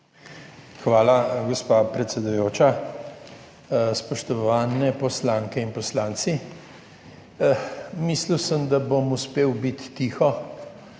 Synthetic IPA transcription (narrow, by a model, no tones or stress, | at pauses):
xʋaːlaɡɔspapɾɛt̪sɛd̪ujoːt͡ʃa | spɔʃt̪ɔʋaːnɛpɔslaːŋkɛinpɔslaːnt̪si | misliwsəmd̪abomuspeːwbit̪ːixɔ